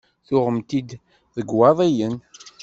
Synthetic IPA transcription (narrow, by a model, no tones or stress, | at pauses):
θʊʁəmt̪id̪ | ðəɡwɑðˤijən